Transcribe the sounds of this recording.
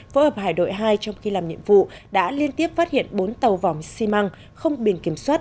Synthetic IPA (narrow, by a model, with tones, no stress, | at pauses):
fo˨˦həː˨˩p̚haː˧˩jɗo̰˧˨jɦaː˧jt͡ɕɔ˧wŋ͡mxi˧laː˨˩mɲḭ˧˨əmvṵ˧˨ɗa̰ː˧˥li˧ənt̪i˦˥əp̚faː˦˥t̚hḭ˧˨ənɓo˨˦nt̪ə˨˩wvɔ˨˩ŋ͡msi˧ma˧ŋ | xə˧wŋ͡mɓi˧˩nki˧˩əmswaː˦˥t̚